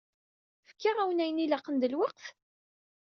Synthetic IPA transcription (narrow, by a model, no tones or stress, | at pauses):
fə̥kːaʁæwnæjənilɑqːənd̪əlwɑqf